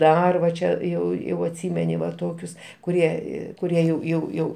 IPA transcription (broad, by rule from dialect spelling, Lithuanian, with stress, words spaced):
ˈdɐr ʋɐ ˈt͡ʃʲɛ ˈjɛʊ jɛʊ ɐtʲˈsʲiːmʲɛnʲɪ ʋɐ ˈtoːkʲʊs kʊˈrʲiɛ ˈiː kʊˈrʲiɛ jɛʊ jɛʊ ˈjɛʊ